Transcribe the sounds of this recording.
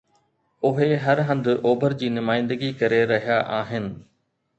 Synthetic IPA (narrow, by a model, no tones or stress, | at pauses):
ʊɦeɦɐɾɦə̃nd̪ʊ̆ʔoːbʱəɾd͡ʑiːnʊmaːɪ̃nd̪əɡikɐɾeɾɐɦijaʔaːɦɪnɪ̆